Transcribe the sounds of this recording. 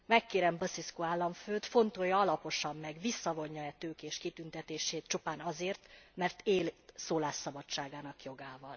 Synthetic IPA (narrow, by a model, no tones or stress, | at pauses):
mɛkːeːɾɛmbɒsiskoaːlːɒɱføːt̪fo̞nt̪ojɒɒlɒpo̞ʃɒmːɛɡʋisːɒvo̞ɲːɒɛt̪øːkeːʃkit̪ynt̪ɛt̪eːʃeːt̪t͡ʃupaːnɒzeːrt̪mɛrt̪eːlsoːlaːʃːɒbɒt͡ʃt͡ʃːaːɡaːnɒkjo̞ɡaːvɒl